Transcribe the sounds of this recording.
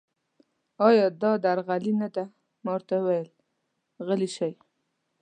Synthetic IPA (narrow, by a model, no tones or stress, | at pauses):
ɑjɑd̪ɑd̪aɾɣalinad̪a | mɑwɾt̪awajəl | ɣəliʃaj